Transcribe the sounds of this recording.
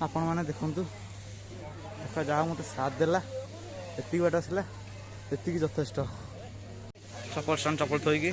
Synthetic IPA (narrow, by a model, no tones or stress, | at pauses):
apɔɽ̃ɔmaned̪ekʰɔnt̪u | ekʰad͡ʒaɦamot̪esat̪̚d̪ela | et̪ikibaʈɔasila | et̪ikid͡ʒɔt̪ʰesʈɔ | t͡ʃɔpɔlsɔnt͡ʃɔpɔlt̪ʰojɡe